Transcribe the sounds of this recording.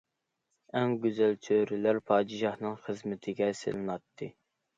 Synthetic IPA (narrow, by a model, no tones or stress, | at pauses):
ɛŋɡʲyzælt͡ʃʰøɾɪlæɾpʰɑːd͡ʒ̪ɨʃɑhnɨŋχəzmɪt̪ʰɪɡʲɛsɪ̰lˠɨnɑt̪ʰːɨ